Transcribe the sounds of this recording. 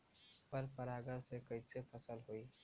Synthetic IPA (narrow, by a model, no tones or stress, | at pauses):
pəɾpəɾaːɡəɾsekɐisepʰəsəlɦoiː